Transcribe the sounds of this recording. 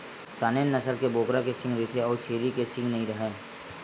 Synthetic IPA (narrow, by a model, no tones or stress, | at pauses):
saːneːnːɐsəɾkeboːkɾakesɪ̃ŋɡɾɪk̪ʰeɔːɾt͡ʃʰeːɾikesɪ̃ŋɡnɐɦĩɾɐɦẽː